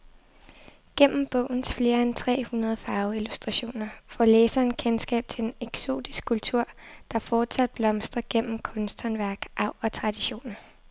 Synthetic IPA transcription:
ɡ̥en̰m̩b̥ɔ̰̽ʊ̰n̩sfle̝ːɐent͡sʰʁɛ̰ːhunɐð̞ˠfɑ̈ːʊilusd̥ʁɑ̈ɕo̝̰ːnɐfɒleːsɐenkʰensɡ̥ɛ̰ːb̥̚t͡sʰe̝leneɡ̥so̝̰ːd̥isɡ̥kʰːult͡sʰuɐ̰d̥ɑ̈fɒ̥ːsʰæd̥̚b̥lɒ̽msd̥ʁɐɡ̥en̰m̩kʰɔ̽nsd̥hɒ̽nʋæɐ̰ɡ̥ʔɑ̈ʊ̰ɒ̽t͡sʰʁɑ̈d̥iɕo̝̰ːnɐ

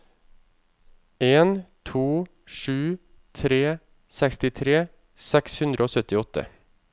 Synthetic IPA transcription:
eːnt̪ʰuː | ʂʉː | t̪ʰɾeː | sɛkst̪ɪt̪ʰɾeː | sɛkshʉnd̪ɾʔoːsœt̪ɪɔt̪ə̰

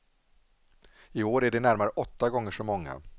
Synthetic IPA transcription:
ɪoːɾæɖɛnæɾmaɾəʔɔt̪ːaɡɔŋːəʂɔmɔŋːa̰

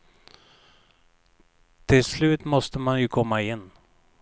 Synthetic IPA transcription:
t̪ʰɪlslʉ̟ːt̪mɔst̪əmanjɵkʰɔmːaɪnː

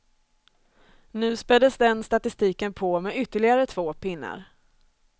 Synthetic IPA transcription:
nʉ̟ːspɛd̪əsd̪ɛnst̪at̪ɪst̪iːkənpʰoːmeʏt̪ːəɭɪɡaɾət̪ʰv̥oːpʰɪnːa̰ɾ

